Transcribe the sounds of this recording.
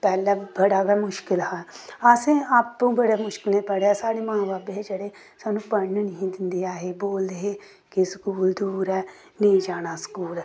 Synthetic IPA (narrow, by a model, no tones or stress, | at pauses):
pɛːlabəɽaːɡamʊʃkɪlɦaasẽaːpũːbəɽeːmʊʃkɪlepəɽeasaːɽemãːbaːbeɦed͡ʒəɽe | saːnũːpəɳːnəɦĩd̪ɪnd̪eaːɦeboːld̪eɦe | keskuːld̪uːɾɛː | nẽd͡ʒaːnaːsə̥kuːlː